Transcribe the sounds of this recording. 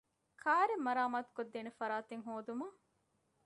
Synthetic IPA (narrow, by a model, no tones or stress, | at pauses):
kʰaːɾemːɐɾaːmaːt̪u̥kod̪ːeːnefɐɾaːt̪eŋɦoːd̪umɐ